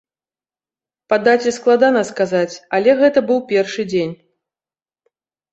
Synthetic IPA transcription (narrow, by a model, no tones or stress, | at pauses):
pad̪at͡sʲɛsklˠad̪anɐskazat͡sʲalʲɛɣɛt̪ɐbɨwpʲɛrʂɨd͡zʲenʲ